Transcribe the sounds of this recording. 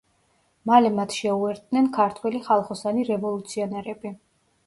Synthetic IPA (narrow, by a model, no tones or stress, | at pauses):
malɛmat̪ʰʃɛuɛɾd̪̚nɛnkʰaɾt̪ʰwɛliχalˠχɔsaniɾɛvɔlˠut̪sʰiɔnɛɾɛbi